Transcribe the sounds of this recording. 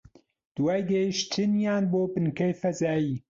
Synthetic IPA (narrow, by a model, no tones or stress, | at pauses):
d̪̥waːjd̪ejʃt̪ʰɨnjaːnboːbɨnkɐjfɐzaːjiː